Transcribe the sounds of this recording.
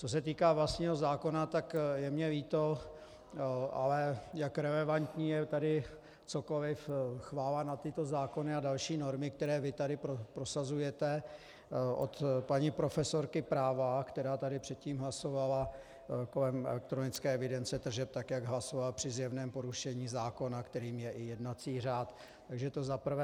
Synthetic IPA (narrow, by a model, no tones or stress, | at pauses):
t͡so̞s̬ɛt̪iːkaːvlast̪ɲiːɦo̞zaːko̞nat̪akjɛmɲɛviːt̪o | ʔa̰lɛjakɾɛlɛvant̪ɲiːjɛt̪adɪ | t͡so̞ko̞lɪfxvaːlanat̪ɪt̪o̞zaːko̞nɪadalʃiːno̞ɾmɪk̚t̪ɛɾɛːvɪt̪adɪpɾopɾo̞sazujɛt̪ɛ | ʔo̰t̪paɲipɾo̞fɛso̞ɾkɪpɾaːvakt̪ɛɾaːt̪adɪpr̥ɛt̪̚ciːmɦlaso̞vala | ko̞lɛmʔɛ̰lɛk̚t̪ɾonɪt͡skɛːɛvɪdɛnt͡sɛt̪r̩ʒɛp̚t̪akjaɡɦlaso̞valpr̝̥ɪzjɛvnɛːmpo̞ɾuʃɛɲiːzaːko̞nakt̪ɛɾiːmjɛʔɪjɛdnat͡siːr̝aːt̪ː | aɡʒɛt̪o̞zapr̩vɛ